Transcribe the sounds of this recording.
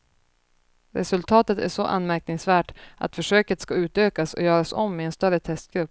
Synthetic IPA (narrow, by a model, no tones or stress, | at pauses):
ɾɛsɵlt̪ʰɑːt̪ət̪æ̰ʂɔʔa̰nmæɾknɪŋsvæːʈʔa̰t̪fœʂøːkət̪skaʉ̟ːt̪øːkasɔ̰jœːɾasɔ̰mːɪɛnst̪œɾət̪ʰɛst̪̚ɡɾɵpː